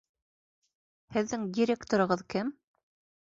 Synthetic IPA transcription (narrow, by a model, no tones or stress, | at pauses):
hɘ̆ðːɘŋdʲiɾʲekt̪oɾɤ̆ʁɤðkɘm